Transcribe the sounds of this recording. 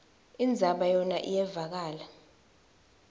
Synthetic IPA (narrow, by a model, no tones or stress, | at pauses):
ind͡zʱaɓajɔnaʔijɛvak̬aːla